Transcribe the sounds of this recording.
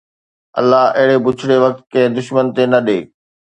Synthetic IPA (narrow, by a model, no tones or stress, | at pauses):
ɐ̰lːaɦɐɦɪɽebʊt͡ɕʰɪɽeʋɐk̚t̪̚kẽɦd̪ʊʃmənt̪enɐɗeː